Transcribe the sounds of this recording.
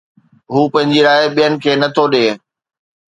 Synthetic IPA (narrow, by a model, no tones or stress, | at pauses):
ɦuːpɐ̃ɦɪ̃ɲd͡ʑiɾaːeɓijənɪ̆kʰeːnɐt̪ʰoɗeː